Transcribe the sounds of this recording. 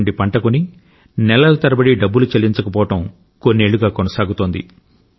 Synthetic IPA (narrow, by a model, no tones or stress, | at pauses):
ɳɖipɐɳʈɐkuni | nɛlːɐlɐt̪ɐɾɐbɐɽiɖɐbːulut͡ʃɐlːiɲt͡ʃɐkɐpɔːʋɐʈɐm | konːe̞ːɭuɡaːkɔnɐsaːɡut̪oːnd̪ḭ